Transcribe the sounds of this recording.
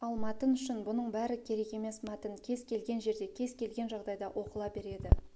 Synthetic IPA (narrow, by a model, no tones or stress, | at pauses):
ɑlˠmɑt̪ənʏʃɪnbʊnəɴbæɾɪkʲʰe̞ɾe̞ke̞me̞smæt̪ɪnkʲʰe̞zkʲʰe̞lɡʲe̞nʒe̞ɾd̪e̞kʲʰe̞zkʲʰe̞lɡʲe̞nʒɑʁd̪ɑjd̪ɑʔo̞qəlˠɑbe̞ɾe̞d̪ɪ